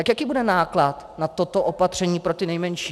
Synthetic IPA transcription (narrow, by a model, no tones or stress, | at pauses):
t̪akjakiːbudɛnaːklat̪nat̪ot̪oʔopat̪r̝̥ɛɲiːpɾo̞t̪ɪnɛjmɛnʃi